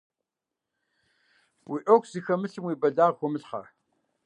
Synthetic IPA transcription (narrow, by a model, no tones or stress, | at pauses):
wiʔokʷʰz̥ixɐmɨɬɨmwiːbɐdaːʁxʷɔmɨɬχɐ̰